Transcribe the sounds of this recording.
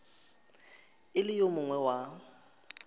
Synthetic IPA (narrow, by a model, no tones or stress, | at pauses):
ɪlɪjomʊŋwɛwa